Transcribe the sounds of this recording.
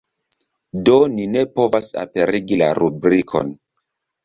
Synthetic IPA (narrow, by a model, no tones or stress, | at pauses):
do̞nine̞po̞vasa̰pe̞ɾiɡilaɾubɾikʰo̞̰n